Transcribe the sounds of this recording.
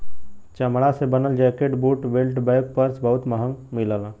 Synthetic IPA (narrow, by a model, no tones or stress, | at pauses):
t͡ʃəmɽasebənəld͡ʒɛːkeʈbuːʈʋelʈbəjk̚pəɾsbəɦʊt̪məɦə̃ŋɡmɪləla